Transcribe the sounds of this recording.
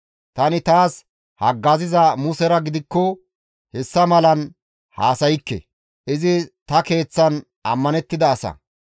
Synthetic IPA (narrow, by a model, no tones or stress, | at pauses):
t̪ɐnɪt̪aːs | hɐɡːɐzɪzɐmʊsɛɾɐɡɪd̪ɪkːɔ | hɛsːɐmɐlɐn | haːsɐjɪkːɛ̰ | ʔɪzɪt̪ɐke̞ːt͡sːɐn | ɐmːɐnɛt̪ːɪd̪ɐːsɐ̰